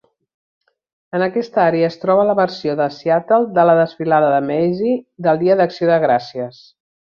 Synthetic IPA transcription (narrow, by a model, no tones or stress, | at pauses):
ənəkɛst̪əaɾeəːst̪ɾɔβələβəɾsioðəsiat̪əlˠd̪ələðəsfilaðəðəmɛjzid̪əlˠd̪iəðəksioðəɣɾasiəs